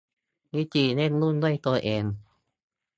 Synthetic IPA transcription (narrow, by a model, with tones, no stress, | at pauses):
ni˧˥˩t͡ɕi˧˩ne˥˨nlu˧˥˨ndu˧˥˩jt̪o˧ʔeː˧n